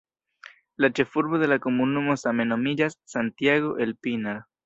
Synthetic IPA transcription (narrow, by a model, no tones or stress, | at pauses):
lat͡ʃefuɾβoðelakomunumosamenomiʎasːant̪jaɣoʔelpinaɾ